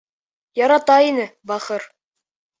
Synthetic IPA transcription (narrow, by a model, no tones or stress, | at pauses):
jɑɾɑt̪ɑinɘbɑχɤɾ